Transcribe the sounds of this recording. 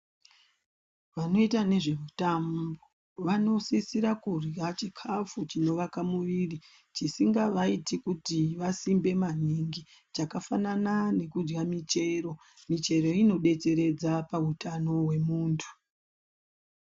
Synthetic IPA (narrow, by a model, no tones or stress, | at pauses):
ʋano̞itane̞ʐe̞mutambo | ʋano̞sisiɾakurat͡ʃikʰafut͡ʃino̞ʋakamuʋiːri | t͡ʃisiŋɡaʋaitikutiʋasimbe̞maɲiŋɡi | t͡ʃakafananane̞kud͡ʒɡamit͡ʃe̞ro̞ | mit͡ʃe̞ɾo̞ino̞ɗe̞t͡se̞ɾe̞d͡zapautano̞we̞muːntʰu̥